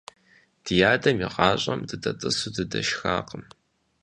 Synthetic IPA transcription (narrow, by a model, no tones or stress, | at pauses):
d̥ɨjaːdɐmiʁɑːɕʼɐmdɨdɐtʼɨsudɨdɐʃxaːqəm